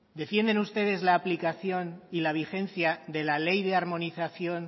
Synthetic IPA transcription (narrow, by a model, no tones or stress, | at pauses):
d̪e̞fje̞nd̪e̞nust̪e̞ð̞e̞zlaːplikaθjo̞nilaβ̞ixe̞nθjaðe̞lale̞jðe̞aɾmõ̞niθaθjo̞n